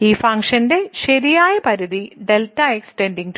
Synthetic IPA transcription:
iːfɐŋʂɐnde̞ɕɐɾijaːjɐpɐɾuðiɖeltːɐeksʈenɖiŋɡt

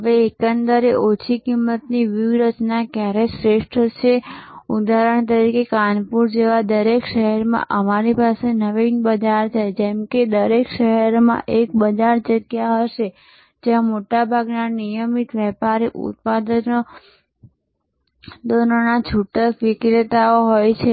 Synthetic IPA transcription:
ɦəʋeekənd̪əɾeʔot͡ʃʰikimːət̪niʋiʋɾət͡ʃnakjaɾesɾeʃʈʰɾət͡ʃʰeud̪ʱaɾəɳt̪̬əɾikekanpuɾd͡ʒeʋad̪əɾekʃəɦɛɾmã̰ʔəmaɾipasenəʋinbəd͡ʒaɾt͡ʃʰajd͡ʒɛmked̪əɾekʃəɦəɾmã̰ʔek̚bəd͡ʒaɾd͡ʒəɡjaɦəʃe | d͡ʒeãmoʈabʱaɡnanijəmit̪ʋɛpaɾiʔṵt̪̚pad̪əno | d̪ononad͡ʒʰʱuʈəkʋɪkɾet̪aoɦojt͡ʃʰe

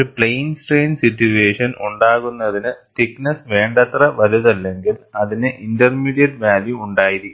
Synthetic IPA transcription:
upɭejnsʈreːnsitːjueːʂɐnʔuɳɖaːɣunːɐðinɨt̪iknɐsʋe̞ːɳɖɐt̪rɐʋɐɾuðɐlːe̞ŋɡilɐðinɨʔindɐrmiːɽijɐɖʋaːljuːɳɖaːjiɾi

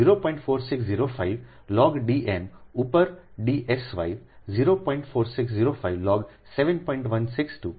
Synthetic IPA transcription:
iɾopɔ̃ɪ̃ɳʈfoːɾsɪksziɾofʰaɪʋ | lɔːɡɖiːʔenupəɾɖiːʔesʋa̰ɪʋziːɾopɔ̃ːɪ̃ɳʈfoːɾsɪksziːɾofʰaɪʋlɔːɡ | seʋẽnpɔ̃ɪ̃ɳʈʋɐnsɪksʈuː

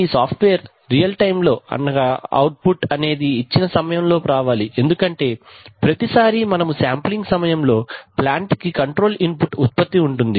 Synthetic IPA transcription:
iːsaːpʰʈʋeːɐɾː | ijɐlʈɐjmlo̞ːɐ̰nːɐɡɐɐ̰wʈ̚puʈɐne̞ːd̪iːt͡ʃːinɐsɐmɐjɐmlo̞ːɾaːʋaːliʔe̞nd̪ukɐɳʈe̞ːpɾɐt̪isaːɾimɐnɐmusaːmpliŋɡsɐmɐjɐmlo̞ːplaːɳʈkikɐɳʈɾo̞ːlinpuʈut̪̚pɐt̪ːiuɳʈund̪i

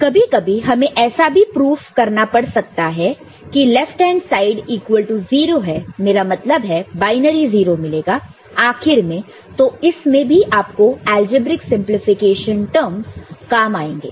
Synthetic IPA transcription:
kɐbʱikɐbʱiɦɐmẽʔɛːsabʱipɾuːfkɐɾnapɐɽsɐk̚t̪aɦɛ | kilɛfʈɛ̃ːnsaːɪɖiːkwəlʈuziːɾoɦɛmeːɾamɐt̪ləbɦɛbaːɪnəɾiziːɾomɪleːɡaː | aːxɪɾmẽ | t̪oɪsmẽbʱiʔaːp̚koɛːld͡ʒɪbɾɪksɪ̃mplɪfɪkeːʃənʈəɾmzkaːmaːẽːŋɡḛː

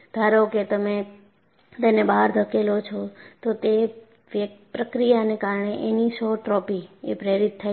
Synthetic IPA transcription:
d̪̥ʱaɾoket̪əme | t̪enebaɦɾd̪ʱəkelot͡ʃʰɔt̪ot̪e | ʋjəpɾəkɾijanekaɾɳeʔenisɔʈɾɔpiepɾeɾit̪ʰːa

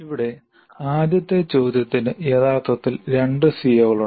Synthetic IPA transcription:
iʋiɽe̞ | aːd̪jɐt̪ːet͡ɕo̞ːd̪jɐt̪ːinɨeðaːrt̪ɐt̪ːilɾe̞ɳɖɨsiːjɐɣɐɭu

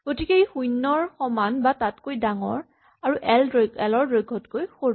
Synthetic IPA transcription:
ɡ̥otikeejxujnːɔɹxɔmanbatatkojdaŋɔ̰ɹ | aɹuʔɛlɛlɔɹɹojɡʱɔtkojxoɹ

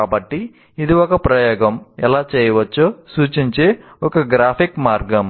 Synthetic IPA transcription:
aːbɐʈːi | id̪iɔkɐpɾɐjoːɡɐmɛlaːt͡ʃɛːjɐʋɐt͡ʃːoːsuːt͡ʃiɲt͡ʃe̞ː | ɔkɐɡɾaːpʰikmaːɾɡɐm

